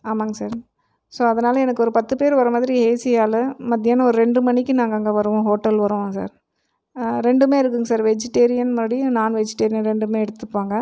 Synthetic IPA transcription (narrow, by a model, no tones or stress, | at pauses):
aːmaːŋɡɐsaːɾ | soːɐðɐnaːlɐɛnɐkːɯɔɾɯpɐt̪ːɯpeːɾʋɐɾɐmaːðɪɾieːsɪjaːlɯmɐðːɪjaːnɐɔɾɯɾɛɳɖɯmɐɳɪkːɯnaːŋɡɐŋɡɐʋɐɾɯʋõːɦoːʈːɐlʋɐɾɯʋõːsa̰ːɾ | ɾɛɳɖɯmeːɪɾɯkːɯŋɡɐsaːɾʋɛd͡ʒɪʈːeːɾɪjɐnmaːɽinaːnʋɛd͡ʒɪʈːeːɾɪjɐnɾɛɳɖɯmeːɛɽɯt̪ːɯpːaːŋɡɐ